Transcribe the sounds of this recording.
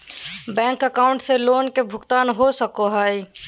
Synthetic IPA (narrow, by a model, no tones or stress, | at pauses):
bɛ̃ːŋkəkaːʊ̃ɳʈseloːnkebʱʊɡt̪aːnɦosəkoɦaːi